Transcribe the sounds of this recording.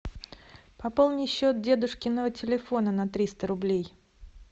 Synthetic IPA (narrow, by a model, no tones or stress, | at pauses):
pɐpolˠnʲɪjɕːo̞t̪̚dʲe̞d̪ʊʂkʲɪnːəvətʲɪlʲɪfo̞nənɐt̪ɾʲist̪əɾʊblʲej